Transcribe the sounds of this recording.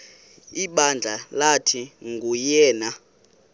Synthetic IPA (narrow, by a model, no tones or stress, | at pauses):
iɓand͡ɮʱalatʰiŋɡʱujɛːna